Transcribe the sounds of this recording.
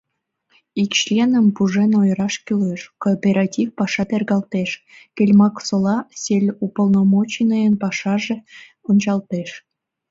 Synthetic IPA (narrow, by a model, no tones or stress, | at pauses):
ikɕlʲenə̆mpuʐenojɾɑʃkʲyleʃkopʲeɾɑtʲifpɑʃɑt̪erɣɑlˠt̪eʃ | kelʲmɑksolˠɑsʲelʲupolˠnomot͡ɕinəjənpɑʃɑʒĕ | onʲt͡ɕɑlt̪eʃ